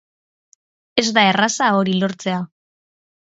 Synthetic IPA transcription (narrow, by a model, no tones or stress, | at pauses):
e̞zd̪ae̞rasao̞ɾilo̞ɾt͡se̞a